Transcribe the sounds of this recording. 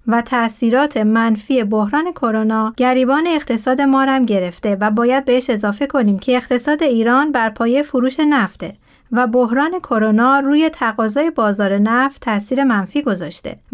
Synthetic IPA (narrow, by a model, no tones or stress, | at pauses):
væt̪ʰæsiːɾɒːt̪ʰe̞mænfiːe̞bohɾɒːne̞kʰo̞ɾonɒːɟ̥æɾiːbɒːne̞ːɣ̥t̪ʰe̞sɒːd̪e̞mɒːɾæmɟe̞ɾe̞ft̪e̞væbɒːjæd̪̚be̞eʃe̞zɒːfe̞kʰo̞niːmcʰe̞ːɣt̪ʰe̞sɒːd̪e̞iːɾɒːnbæɾpʰɒːjefoɾuːʃe̞næft̪e | væbohɾɒːne̞kʰo̞ɾonɒːɾuːje̞t̪ʰæɣɒːzɒːje̞bɒːzɒːɾe̞næft̪ʰːæsiːɾe̞mænfiːɡo̞zɒ̰ːʃt̪e̞̰